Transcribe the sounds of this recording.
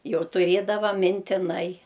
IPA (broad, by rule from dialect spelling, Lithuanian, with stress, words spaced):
ˈjɛʊ tʊˈrʲiɛdɐʋɐ mʲɪnʲtʲɪˈnɐɪ